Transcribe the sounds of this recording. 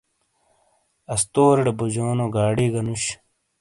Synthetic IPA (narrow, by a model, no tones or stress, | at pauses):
ɐst̪oːɾeɽebod͡ʑoːnoɡaːɽiːɡɐnuɕ